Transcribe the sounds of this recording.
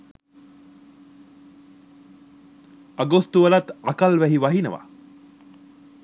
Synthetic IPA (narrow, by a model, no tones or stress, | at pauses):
aɡost̪uʋəlat̪akalʋæɦiʋɐɦinəʋa̰